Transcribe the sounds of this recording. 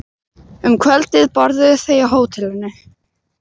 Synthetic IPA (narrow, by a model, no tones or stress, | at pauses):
ʏmkʰvɛlt̪ɪðpɔɾðʏθejaɦoːwt̪ʰɪlɪnːɪ